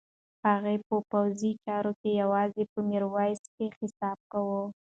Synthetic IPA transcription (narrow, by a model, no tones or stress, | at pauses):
haɣepəpawzit͡ʃɑɾokejawɑzepəmeɾwɑjskexɪsɑb̚kawə